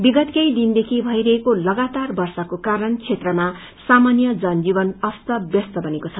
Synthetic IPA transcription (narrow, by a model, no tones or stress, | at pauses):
biɡʌt̪kʌjd̪ind̪ekʰibʱʌiɾʌɦekolʌɡat̪arbʌrsʌkokaɾʌnt͡sʰet̪rʌma | samanjʌd͡zʌnd͡zibʌnʌst̪ʌbjʌst̪ʌbʱʌnekot͡sʰʌ